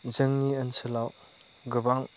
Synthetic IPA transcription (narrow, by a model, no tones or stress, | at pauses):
zəŋniənsəlaw | ɡəbaŋ